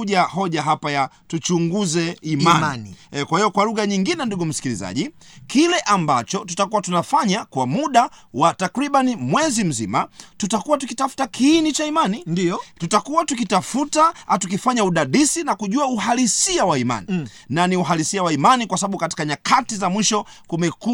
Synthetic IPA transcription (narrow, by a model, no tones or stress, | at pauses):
uʄaɦɔʄaɦapaja | tut͡ʃuŋɡuzɛimankwahijɔkwaluɣaɲiŋɡinɛnduɡum̩si̥kilḭza̰ʄi | kilɛʔambat͡ʃɔtutakuwatunafaɲakwamuɗawatakɾiɓanimwɛzim̩zḭmatutakuwatukitafu̥takʰiːnit͡ʃaimaninitutakuwatukitafutatukifaɲauɗaɗisinakuʄuauhalisiawaima̰ni | naniuɦalisiawaimanikwasaɓaɓukati̥kaɲakʰatizamwiʃɔkumɛku